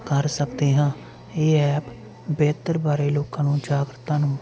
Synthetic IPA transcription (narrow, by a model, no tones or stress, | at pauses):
kəɾsəkd̪eːɦãː | eːɛːp | bɛːt̪əɾbaːɾeːloːkãːnũːd͡ʒaːɡɾət̪ːãːnũː